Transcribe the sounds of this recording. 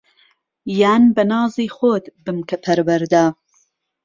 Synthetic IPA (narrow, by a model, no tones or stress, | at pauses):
jaːnbɐnɑːziːxoːt̪bɨmkɐpʰɐɾwɐɾd̪aː